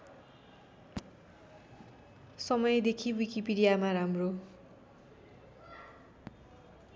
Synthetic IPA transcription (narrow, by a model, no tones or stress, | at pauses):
sʌmʌjed̪ekʰiwikipiɽijamaɾamro